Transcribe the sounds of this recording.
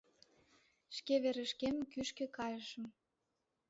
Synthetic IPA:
ʃkeβeɾə̆ʃkemkyʃkĕkɑjəʃə̆m

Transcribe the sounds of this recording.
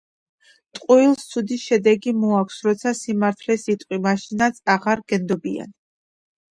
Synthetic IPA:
t̪ʼqʼuilˠst̪sʰud̪iʃɛd̪ɛɡimɔakʷʰsɾɔt̪sʰasimaɾt̪ʰlɛsit̪ʼqʼwimaʃinat̪sʰaʁaɾɡɛnd̪ɔbia̰n

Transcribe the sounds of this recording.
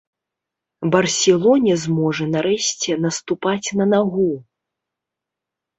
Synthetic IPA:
bɐrsʲɛlˠɔnʲɛzmɔʐɐnaɾɛɕʲt͡sʲɛnɐst̪upat͡sʲnɐnaɣu

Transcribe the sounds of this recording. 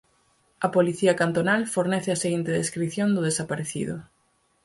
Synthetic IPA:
ɐpoliθiɐkant̪onalfoɾnɛθɪɐseɣint̪eðeskɾiθjond̪ʊðesapaɾeθḭðʊ̰

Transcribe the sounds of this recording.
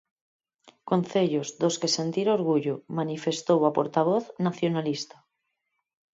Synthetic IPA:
kon̟θeʎozðoskese̞nt̪iɾoɾɣ̞uʎomanife̞st̪owapo̰ɾt̪aβ̞oθnaθjonalist̪a

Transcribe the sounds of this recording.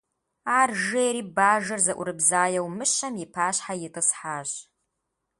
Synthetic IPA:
aːrʒejɾiːbaːʒɐrzɐʔʷʊ̰ɾɨbzaːjɐwmɨɕɐmjɪpʰaːɕħajɪtʰʼɨsħaːʑ

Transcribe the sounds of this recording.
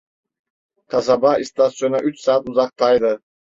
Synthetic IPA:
q̪ʰɑzɑbɑist̪asonɑʔyt͡ʃsɑːt̪uzɑq̚t̪ɑjd̪ɯ

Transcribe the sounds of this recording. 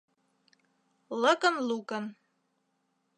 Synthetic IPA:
lɤ̆kənlukən

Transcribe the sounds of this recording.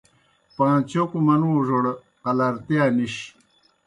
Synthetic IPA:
pãːt͡ɕokumɐnũːʐoɽ | qɐlɐɾt̪ijaniɕ

